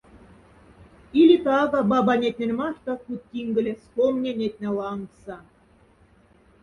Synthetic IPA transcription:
ilʲit̪ɑɣɑbɑbɑnʲet̪ʲnʲĕnʲmɑʃt̪ɑ̆kut̪̚ːʲiŋɡɘ̆lʲĕskomnʲenʲet̪̚ʲnʲæ̆lˠɑŋksɑ

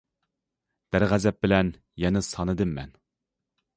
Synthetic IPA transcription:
d̪̥æɾʁæzɛp̚bɪlɛn | jɛnɪsɑnɨd̪ɨmːɛ̰n

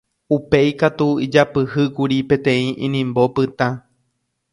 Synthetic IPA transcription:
upe̞jkat̪uid͡ʒapɨhɨkuɾipẽ̞t̪ẽ̞ĩʔĩnĩmbo̞pɨt̪ã

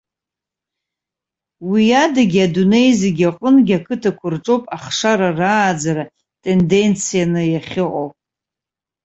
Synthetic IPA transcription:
wijadaɡʲadune̞jzeɡʲaqʼənɡʲakʰɨtʰakʷʰʊrʈ͡ʂʼo̞wpʼaχʂaɾaraːd͡zaɾa | tʼe̞nde̞nt͡sʰijanɨjaχʲɪqʼowpʼ

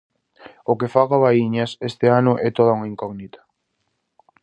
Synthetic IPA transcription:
ʊkefaɣaβaiɲɐsest̪ɪanʊʔɛt̪oðauŋɐiŋkɔɣnit̪ḁ

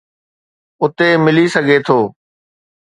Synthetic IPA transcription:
ʊt̪emɪlisəɡʱet̪ʰoː

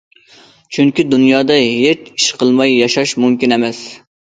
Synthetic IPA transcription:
t͡ʃʰyŋkʲid̪unjɑːd̪ɑɦet͡ʃi̥ʃqʰəlˠmɑjːɑʃɑʃmumkʲinemɛs

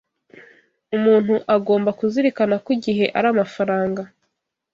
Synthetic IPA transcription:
umuːn̥huʔaɡo̞ːmbakuziɾikanakiɟiɦe̞ʔaɾaːmafaɾaːŋɡa

